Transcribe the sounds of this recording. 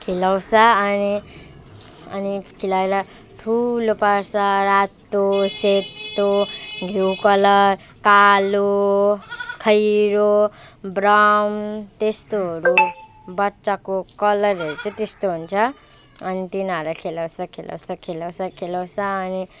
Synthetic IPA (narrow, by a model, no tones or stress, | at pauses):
kʰelawsʰʌʌni | ʌ̰nikʰilaeɾʌ | ʈʰulopʌɾsʌɾat̪ːoset̪ːoɡʱewkʌlʌr | kalo | kʰʌjɾobɾʌmt̪est̪oɦʌɾu | bʌtːsakokʌlʌɾʌɾut͡sʌ̃t̪est̪oɦunt͡sʰʌ | ʌnit̪inʌɾʌkʰelawsʰʌkʰela̰wsʌkʰelaw̃sʰʌkʰelaw̃t͡sʰʌːni